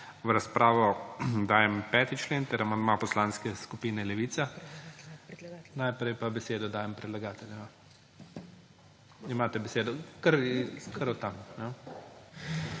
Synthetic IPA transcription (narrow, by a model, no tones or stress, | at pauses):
ʋɾaspɾaːʋɔd̪aːjɛmpɛːt̪it͡ʃleːnt̪ɛɾamand̪mapɔslaːnskɛskupiːnɛlɛʋiːt̪sa | najpɾɛjpabɛseːd̪ɔd̪aːjɛmpɾɛd̪laɡaːt̪ɛlʲjma | imaːt̪ɛbɛseːd̪ɔkɐɾkɐɾɔt̪amnɛ